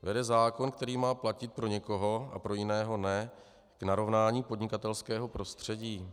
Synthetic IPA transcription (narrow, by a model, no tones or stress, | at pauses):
vɛdɛzaːko̞nkt̪ɛɾiːmaːplacɪt̪̚pɾo̞ɲɛko̞ɦo̞a̰pɾo̞jɪnɛːɦo̞nɛ | ɡ̥naɾo̞vnaːɲiːpodɲɪkat̪ɛlskɛːɦo̞pɾo̞st̪r̝̥ɛɟiː